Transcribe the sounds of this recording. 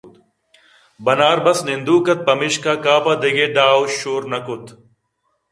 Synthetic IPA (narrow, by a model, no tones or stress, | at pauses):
bɐnaːɾbɐsnɪnd̪uːkɐt̪̚pɐmɪʃkaːkaːpad̪ɐɡeːɖaːwʃoːɾnɐkʊt̪